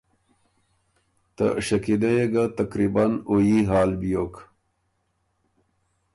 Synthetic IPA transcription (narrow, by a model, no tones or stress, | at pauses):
t̪ə̰ɕɐkid̪ɐjeɡat̪akɾibanojiɦaːlbijok